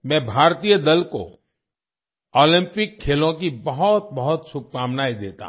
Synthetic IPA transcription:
mɛ̃ːbʱaːɾt̪ijəd̪ɐlko̰ | ɔːlɪ̃mpɪkʰːeːlõkibɐɦɔt̪̚bɐɦʊt̪sʊb̚kaːmnaːid̪ḛːt̪a̰ɦ

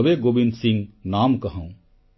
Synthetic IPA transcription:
beɡobinsĩŋɡnamkəɦə̃ʊ̃

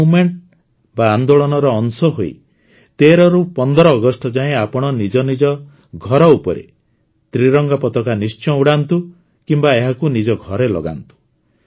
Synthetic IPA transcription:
umeɳʈ̚ | baːnd̪oɭɔnɔɾɔːnsɔɦoḭ | t̪eɾɔɾupɔnd̪ɔɾɔːɡɔsʈɔd͡ʒaẽapɔɽ̃ɔnid͡ʒɔnid͡ʒɔ | ɡʱɔɾɔupɔɾḛ | t̪ɾiɾɔŋɡapɔt̪ɔkanist͡ʃɔ̃uɽant̪u | kimbaeɦakunid͡ʒɔɡʱɔɾelɔ̰ɡa̰nt̪u̥

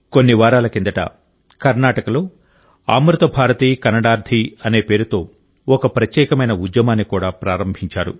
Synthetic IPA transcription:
ko̞nːiʋaːɾaːlɐkind̪ɐʈɐ̰ | kɐɾnaːʈɐkɐlo̞ː | a̰ːmɾut̪ɐbʱaːɾɐt̪iːkɐnːɐɽaːɾd̪ʱiɐne̞ːpe̞ːɾut̪o̞ː | ɔkɐpɾɐt̪jɛːkɐmɐjnɐud̪jɐmaːnːikuːɽaːpɾaːɾɐmbʱiɲt͡ʃaːɾṵ

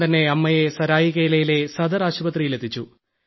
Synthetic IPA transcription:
t̪ɐnːe̞ɐmːɐjesɐɾaːjiɣe̞ːlɐjile̞sɐd̪ɐɾaːɕubɐt̪rijile̞t̪ʰːit͡ɕːu

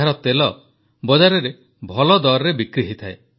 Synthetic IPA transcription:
aɾɔt̪elɔ | bɔd͡ʒaɾɔɾe | bʱɔlɔd̪ɔɾɾebikɾiɦit̪ʰae

